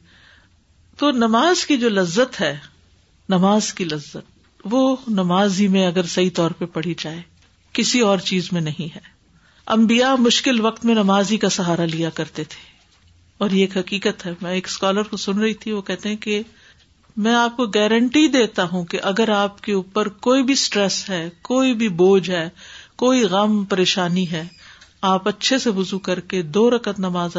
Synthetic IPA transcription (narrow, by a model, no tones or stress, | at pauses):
t̪oːnɐmaːzkid͡ʒoːlɐzːət̪ɦɛː | nɐmaːzkilɐzːət̪̚ | ʋoːnɐmaːzimẽɐɡəɾsɐit̪ɔːɾpɐpɐɽ̤id͡ʒaːe | kɪsiɔːɾt͡ʃiːzmẽnɐɦĩɦɛː | ɐ̰̃mbijamʊʃkɪlʋɐkt̪mẽnɐmaːzikasɐɦaːɾalijakɐɾt̪et̪ʰe̥ː | ɔːɾjeːkɦɐkiːkət̪ɦɛːmɛ̃eːkskaːləɾkosʊnɾɐɦit̪ʰiʋokɛɦt̪eɦɛ̃ke | mɛ̃ːaːp̚koɡɛːɾə̃ɳʈid̪eːt̪aɦũkeʔɐɡəɾaːp̚keuːpəɾkoːibʱisʈɾɛsɦɛːkoːibʱiboːd͡ʒɦɛːkoːiɣɐmpɐɾeːʃaːniɦɛːaːpɐtːʃʰesebʊzukɐɾked̪oːɾɐkət̪nɐmaːz